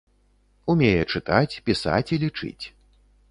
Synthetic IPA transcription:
umʲejɛt͡ʂɨt̪at͡sʲpʲisa̰t͡sʲilʲit͡ʂɨ̰t͡sʲ

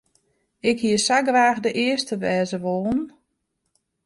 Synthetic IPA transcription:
ɪkhiəsaɡraːɣdəʔɪəstəʋɛːzəʋoːn

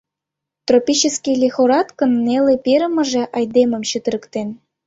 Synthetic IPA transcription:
t̪ropʲit͡ɕəskilʲexoɾɑt̪kə̆nːelepeɾə̆mə̆ʒĕʔɑjd̪emə̆mɕət̪əɾə̆kt̪en

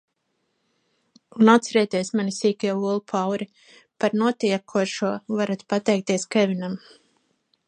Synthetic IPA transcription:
unat̪sɛɾɛt̪iɛsmanisiːkɛuɔlˠupʰawɾi | paɾnuɔt̪iɛkʰuɔʃuɔvaɾat̪pat̪ɛjk̚t̪iɛskɛvinam

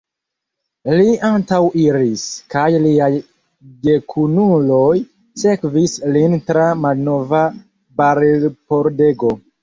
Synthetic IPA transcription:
liʔantawʔiɾiskajliaj | de̞kʰunulo̞j | se̞kvislintɾamalno̞va | baɾelpo̞ɾde̞ɡo̞

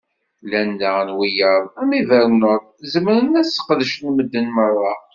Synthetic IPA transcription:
lænːænwijəɾˤæmivəɾnəðˤzəməɾənæsə̥qðəʃnməd̪ːənmərˤːɑ

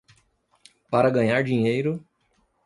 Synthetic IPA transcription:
paɾɐɡɐ̃ɲaɾd͡ʒiɲejɾʊ

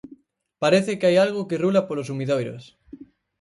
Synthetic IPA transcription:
paɾeθɪkeajalɣokerulapolos̬umiðojɾo̰s

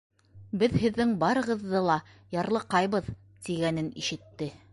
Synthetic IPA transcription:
bɘðhɘ̆ðːɘŋbɑɾɤ̆ʁɤ̆ðːɤlˠɑ | jɑɾlˠɤqɑjβɤð | t̪iɡænɘnḭʃɘ̆t̪ːɘ

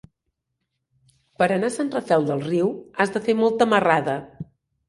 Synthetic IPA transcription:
pəɾənasanrəfɛlˠd̪əlˠriwazðəfemɔlˠt̪əməraðə

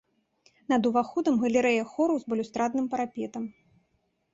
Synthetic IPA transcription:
nɐd̪uvaxɔd̪ɐmɣɐlʲɛɾɛjɐxɔɾuzbɐlʲust̪ɾad̪̚nɨmpɐɾapʲɛt̪ɐm

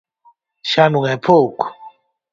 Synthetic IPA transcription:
ʃanuŋɛpʰok

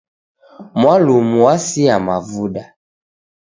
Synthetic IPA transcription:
mwalumuwasiamavuda

